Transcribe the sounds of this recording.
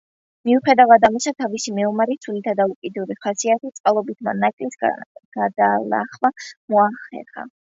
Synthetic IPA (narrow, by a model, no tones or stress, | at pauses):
miuχɛd̪avad̪amisat̪ʰavisimɛɔmaɾit̪sʰulit̪ʰad̪aukʼid̪uɾiχasiat̪ʰit̪sʼqʼalˠɔbit̪ʰma̰nakʼlisɡ̥ad̪ala̰χmamɔaχɛ̰χa̰